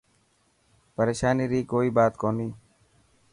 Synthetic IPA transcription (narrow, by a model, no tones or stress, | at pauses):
pəɾeːʃaːniːɾiːkoːiːbaːt̪koːniː